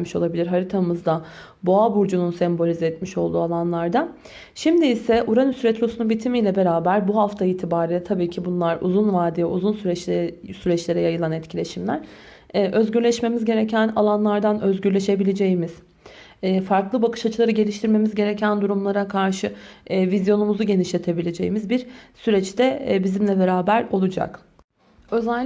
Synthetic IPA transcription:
miʃo̞lˠabilʲiɾɦaɾit̪ʰamɯzd̪a | boabuɾd͡ʒununsɛmbo̞lʲizɛɛt̪miʃo̞lˠd̪uːalˠanlˠaɾd̪a | ʃimd̪iːsɛʔuɾanusyɾɛt̪ʰɾo̞sunubit̪ʰimijlʲɛbe̞ɾaːbæɾbuɦaft̪ʰaiːt̪ʰibaːɾilʲɛt̪ʰabiːcʰibunlˠaɾṵzunvaːd̪ijɛuzunsyɾɛsyɾɛt͡ʃlʲe̞ɾɛjajɯlˠanɛt̪cʰilʲe̞ʃimlʲæɾ̥ | ɛːʔø̞zɟyɾlʲɛʃme̞mizɟe̞ɾecʰænalˠanlˠaɾd̪anøzɟyɾlʲe̞ʃe̞bilʲe̞d͡ʒejimiz̥ː | faɾklˠɯbakʰɯ̥ʃat͡ʃʰɯlˠaɾɯɟe̞lʲiʃt̪ʰiɾme̞mizɟe̞ɾecʰænd̪uɾumlˠaɾakʰaɾʃɯːvizjo̞numuzuɟe̞niʃlʲe̞t̪ʰe̞bilʲe̞d͡ʒe̞̰jimizbiɾsyɾɛt͡ʃt̪ɛbizimlʲɛbe̞ɾaːbæɾo̞lˠud͡ʒa̰k | ø̞zælʲː

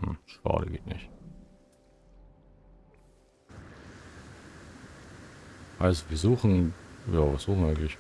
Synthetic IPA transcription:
h̩ʃɑ̰ːdə̰ɡeːtnɪ̰çt | haɪstv̥iːɐzuːχn̩jːviːɐz̥uːχŋ̩aɪɡŋ̩tlɪç

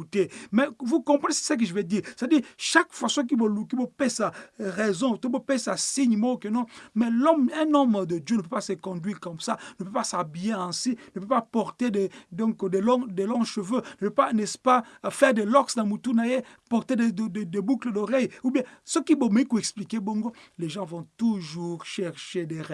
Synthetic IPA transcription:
ut̪emɛvukɔ̃pʁənesɛ̥sək̬əʒəvɛd̪iːʁsetad̪iːʁʃakfwasøkibɔkibɔpɛsaʁɛzɔ̃t̪ɔ̃bopɛsasiɲmɔ̃kɛ̃nɔ̃mɛlɔmɛ̃nɔmd̪əd̪jønəp̬øpasəkɔ̃d̪ɥiːʁkɔmsanəpøpasabijeɛ̃sinəpøpapɔʁt̪ed̪ed̪ɔ̃kd̪ɛlɔ̃d̪elɔ̃ʃəvønəpøpanɛspafɛʁd̪ɛlɔksd̪ãmut̪unajepɔʁt̪ed̪edd̪ɛbukləd̪ɔʁɛjubjɛ̃səkibomɛkuɛksplikebɔ̃ŋɡolɛʒɑ̃vɔ̃t̪uʒuʁʃɛʁʃed̪ɛʁɛ

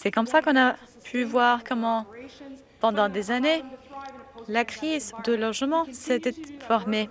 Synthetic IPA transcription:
sɛkɔmsakɔ̃napʰyvwaʁkɔmɑ̃ | pɑ̃d̪ɑ̃d̪ezane | lakχizd̪əlɔʒmɑ̃sɛt̪ɛfɔʁme

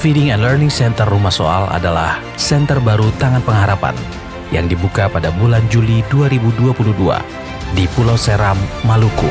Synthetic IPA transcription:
fidɪŋɛnlərnɪŋsɛnt̪ərːumahso̰a̰la̰dala̰h | sɛnt̪ərbaɾut̪aŋanpəŋɦaɾapa̰n | ja̰ŋdibukapadabuland͡ʒuliduaɾibuduapuluhdua̰ | dipulawsɛɾamːaluku

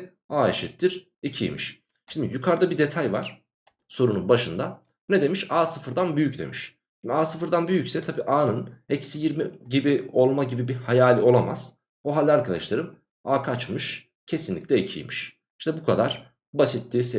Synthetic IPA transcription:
aːeʃit̪ːiɾ̥ | icʰḭjmḭʃ | ʃind̪ḭjukʰaɾd̪abid̪e̞t̪ʰajva̰ɾ̥ | so̞ɾununbaʃɯnd̪a | ned̪e̞miʃaːsɯfɯɾd̪anbyjycd̪e̞̰miʃ | ʃind̪ʲaːsɯfɯɾd̪anbyjycsɛt̪ʰabiːʔaːnɯnɛcsijiɾmiɟibio̞lˠmaɟibibihajaːlʲio̞lˠama̰z̥ | oɦalʲːiaɾkʰad̪aʃlˠaɾɯm | aːkʰat͡ʃmɯʃ | cʰe̞sinlʲiclʲɛicʰḭjmiʃ | iʃnɛbukʰad̪aɾ̥ | basit̪ːiːse

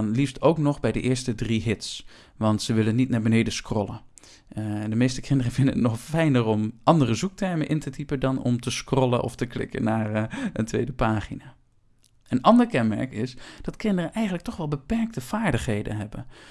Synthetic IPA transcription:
nlifstʰowknɔχbɛjdə̰ʔɪːɹstədriɦɪts | ʋɑntsəʋɪlənːitnaːɹbənejdəskrɔlˠə | dəmejstəkʰɪndərəvɪndənətnɔχfɛjnərɔmʔɑndərəzuk̚tɛɹmənʔɪntətipədɑnɔ̰mtəskrɔlˠə̰nʔɔ̰ftəklɪ̰kə̰nːaːɹəntʋejdəpaːχinaː | ənɑndəɹkɛnmɛ̰ɹkɪsd̥ɑtkɪndərənɛjχənləktɔχʋɛlˠbəpɛɹk̚təv̥aːɹdəχɦejdə̰nɦɛbə̰n

